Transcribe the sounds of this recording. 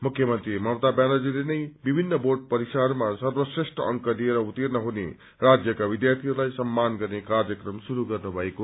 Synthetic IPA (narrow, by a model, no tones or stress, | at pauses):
mukʰjʌmʌnt̪ɾimʌwt̪abjanʌd͡zilenʌjbibʱinːʌboɖ̚pʌɾisaɾmasʌrwʌsresʈʌʌŋkʌlieɾʌut̪ernʌɦunḛ | rad͡zjʌkabid̪jart̪ʰiɦuɾlajsʌmːanɡʌrnekarjʌkrʌmsuɾuɡʌrnubʱʌeko